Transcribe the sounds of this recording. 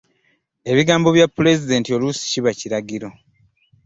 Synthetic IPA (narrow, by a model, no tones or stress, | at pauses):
e̞βiɡaːmbo̞βjapːule̞zide̞ːntio̞lusi̥ciβaciɾaɡiɾo̞